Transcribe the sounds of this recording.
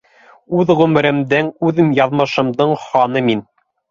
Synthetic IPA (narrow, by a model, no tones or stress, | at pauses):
ʉðʁʉmɘ̆ɾɘ̆md̪æŋʉðɘmjɑðmɤ̆ʃɤ̆md̪ɤɴχɑnɤmin